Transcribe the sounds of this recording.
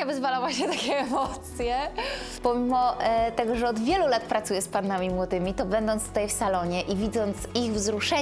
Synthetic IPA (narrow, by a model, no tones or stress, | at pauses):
abɨzvalavwwat͡ɕɛt̪akʲɛːmɔt̪sʲjɛ | pɔmʲimɔt̪ɛɡɔʐɛɔd̪vʲjɛlulat̪pɾat̪sujɛspanːamʲimwɔd̪ɘmʲit̪ɔbɛnd̪ɔnt̪t̪ut̪ajfsalɔɲɛʔivʲid̪zɔnt̪siɣvzɾuʂɛ